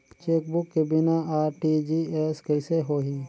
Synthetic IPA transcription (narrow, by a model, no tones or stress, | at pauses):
t͡ʃeːk̚bʊkːebɪnaaːɾʈid͡ʒieskɛɪseɦoːɦi